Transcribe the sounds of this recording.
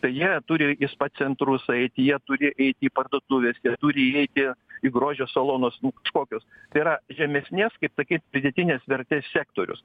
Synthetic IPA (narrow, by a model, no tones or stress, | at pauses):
t̪ɐɪjiɛt̪ʊːɾʲɪɪspɐt̪ʲt͡ssʲɛnt̪ɾʊsɛɪt̪ʲɪjiɛt̪ʊɾʲɪʔɛɪt̪ʲɪiːpɐrd̪oːt̪uːʋʲeːsjiɛt̪uːɾʲɪɛɪt̪ʲɪiɡɾoːʒʲoːsolˠoːnosnʊkɐʃkoːkʲoːst̪ɐɪiɾɐʒʲɛmʲɛsʲnʲeːskɐɪpsɐkʲiːt̪pʲɾʲɪd̪ʲɛt̪ʲɪnʲeːsʋʲɛrʲt̪ʲeːssʲæːkt̪oːɾʲʊ̰s